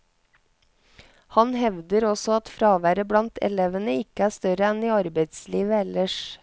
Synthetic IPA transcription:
hɑnhɛʋd̪əɾɔsɔɑt̪fɾɑːʋæːɾəblɑnt̪ʰɛ̰leʋənəɪkəæːʂt̪œɾəɛniːɑɾbeɪt̪sliːʋəɛləʂ

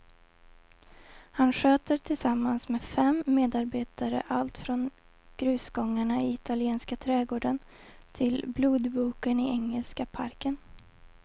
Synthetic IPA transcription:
hanɧøːt̪əɾʈʰɪlsamːansmeːfɛmːeːd̪aɾbeːt̪aɾə̰ʔalt̪fɾɔn | ɡ̥ɾʉ̟ːsɡɔŋːaɳaɪɪt̪ʰalɪeːnskat̪ʰɾɛːɡoːɖənt̪ʰɪlbluːd̪buːkənɪɛŋːɛlskapʰaɾkən

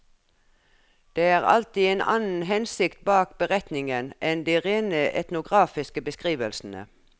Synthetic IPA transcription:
d̪̥eːæːʁɑ̰lt̪iːeːnɑ̰nn̩ɦɛnsɪkt̪̚bɑːkbəʁɛt̪nɪŋənʔɛnd̪iːʁeːnəʔɛ̰t̪nʊɡʁɑːfɪskəbəskʁiːʋəlsn̩ə̰

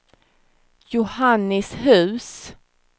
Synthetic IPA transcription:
jʊhanːɪshʉ̟ːs

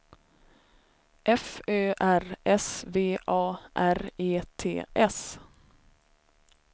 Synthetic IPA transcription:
ʔɛføːʔæɾɛsveːʔɑːʔæɾeːt̪ʰḛːʔɛs

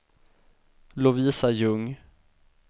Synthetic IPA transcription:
lʊviːsajɵŋ

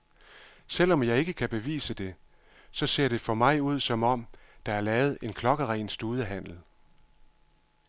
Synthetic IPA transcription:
sel̰ɒ̽mjɑ̈ɪe̝ɡ̥əkʰæb̥e̝ʋḭːsəd̥e̝ | sɒ̽se̝̰ɐ̰ɾ̥e̝fɒ̽mɑ̈ɪuð̞̰ˠsɒ̽mɒ̽m̰d̥ɑ̈æɐlɛːʊð̞̩ˠe̝nkʰlɒ̽ɡ̥əʁɛːnsd̥uːð̞ˠəɦæn̰l̩

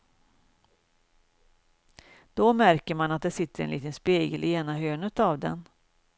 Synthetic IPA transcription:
d̪̥ɔmæɾkəɾmanat̪̚d̪ɛsɪt̪ːəɾɛ̰nliːt̪ənspeːɡə̰lʔɪeːnaɦøːnət̪avd̪ɛ̰n

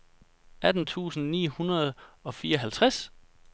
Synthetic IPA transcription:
ʔæd̥n̩t͡sʰṵːsn̩nḭːhunɐð̞ˠɒ̽fiːɐɒ̽ɦælt͡sʰʁas

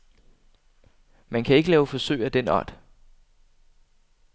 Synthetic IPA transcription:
mænkʰæe̝ɡ̥əlɛːʊfɒ̽søɪ̰æd̥enɒ̰d̥

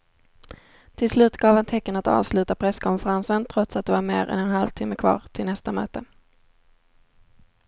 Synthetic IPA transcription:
t̪ʰɪlslʉ̟ːt̪ɡɑːvant̪ʰɛkːənat̪ɑ̰ːvslʉ̟ːt̪apʰɾɛskʰɔnfɛɾansənt̪ʰɾɔt̪sat̪̚d̪ɛvaɾmḛːɾɛ̰nɛnɦalvt̪ʰɪmːəkʰvɑ̰ːɾt̪ʰɪlnɛst̪amø̰ːt̪ə

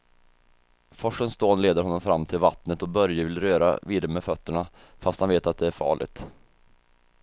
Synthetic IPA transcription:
fɔʂənst̪oːnleːd̪əɾɦɔnːɔmfɾamːt̪ʰɪlvat̪nət̪ɔbœɾjəvɪlɾøːɾa̰viːd̪əɾəmɛfœt̪ːəɳa | fast̪hanveːt̪at̪̚d̪ɛæɾfɑ̰ːɭɪ̰ɡ̚t̪

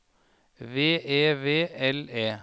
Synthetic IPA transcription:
ʋeːeːʋeːɛleː

